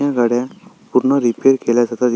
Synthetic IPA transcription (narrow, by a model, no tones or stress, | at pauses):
ãɡəɽjãpuɾnəɾipeɾkeljad͡ʒat̪ad͡ʒ